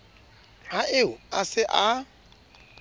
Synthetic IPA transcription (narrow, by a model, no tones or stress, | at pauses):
raʔɪʊasɪʔa